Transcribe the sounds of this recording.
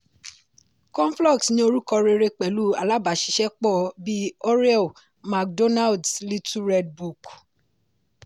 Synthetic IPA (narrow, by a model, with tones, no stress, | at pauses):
kɔ̃˦n˦flɔ˦˨ksnĩ˧˦o˧ɾu˦kɔ˧ɾe˧ɾe˧k͡pɛ˨lu˦a̰˨la˦ba˨ʃi̥˨˧ʃɛ˦k͡pɔ˦˨bi˦ɔ˦ɾɛ˦˨ | ma˨k̚do˦na˦˨ldsli˦tu˦ɾɛ˧d̚bu˨k